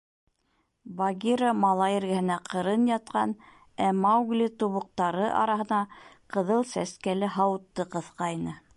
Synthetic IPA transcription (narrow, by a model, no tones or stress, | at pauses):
bɑɡʲiɾəmɑlˠɑjɘ̆ɾɡæhɘ̆næqʰɤ̆ɾɤnjɑt̪̚qɑn | æmɑwɡlʲit̪uβŏq̚t̪ɑɾɤʔɑ̰ɾɑɦɤ̆nɑqɤ̆ðɤlˠsæskælɘɦɑwɤt̪ːɤqɤ̆θqɑjnɤ